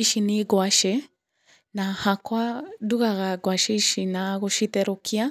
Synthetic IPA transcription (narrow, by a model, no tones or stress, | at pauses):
iʃiniɡwaʃɛ | nahakwaduɣaɣaɡwaʃɛʃinaɣoʃitɛɾokʰia